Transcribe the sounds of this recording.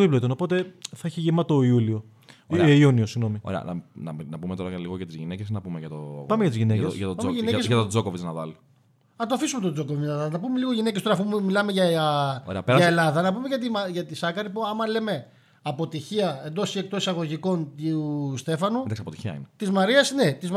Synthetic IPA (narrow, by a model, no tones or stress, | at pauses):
oiplot̪onopo̞t̪eθɐeçiʝimɐt̪oiulio | ioniosiɣno̞mio̰ɾeɐ̰nɐ̰nɐ̰mnɐpumet̪o̞ɾɐɐliɣoʝɐt̪izʝinecesnɐpumeʝɐt̪o̰pɐmeʝɐt̪izʝinecesʝɐt̪opɐmʝinneesʝɐt̪od͡zokovit͡snɐðɐ̰li | nɐt̪oɐfisume̞t̪od͡zo̞kovinɐðɐnɐpume̞liɣo̞ʝine̞cst̪oɾɐfummilɐmeʝɐo̰ɾ̰ɐɐelɐðɐnɐpumeʝɐt̪̬imɐʝɐt̪isɐkɐɾipuɐmɐle̞me̞ | ɐpo̞t̪içiɐe̞nd̪o̞siek̚t̪o̞sisɐɣo̞ʝiko̞nt̪st̪e̞fɐnund̪ɐsiɐpot̪i̥çiɐ̰ḭnet̪izmɐɾiɐsnet̪iz